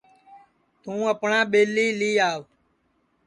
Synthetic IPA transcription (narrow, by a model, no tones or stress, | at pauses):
t̪ũːəpɳãːɓeːliːliːaːʋ